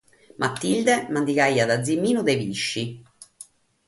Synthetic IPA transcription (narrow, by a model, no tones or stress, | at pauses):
mʔat̪ːild̪emand̪ikajːad̪ad̪zːimːiːnud̪eviʃːi